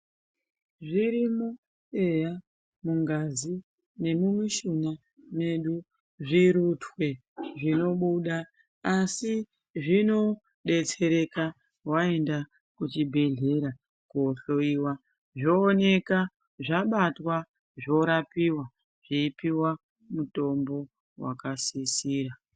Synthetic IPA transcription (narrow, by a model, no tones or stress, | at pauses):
ʐiɾimu | e̞ja | muŋɡazi | ne̞mumiʃuna | me̞ɗu | ʐiɾutwe̞ | ʐino̞ɓuɗaː | si | ʐino̞ | ɗe̞t͡se̞ɾe̞ka | wae̞nda | kut͡ʃibʱe̞ɮe̞ɾa | kuoɬo̞iwa | ʐoːne̞ka | ʐaɓatwa | ʐo̞ɾapiwa | ʐ̥iipiwa | muto̞mbo̞ | wa̰kasisiːra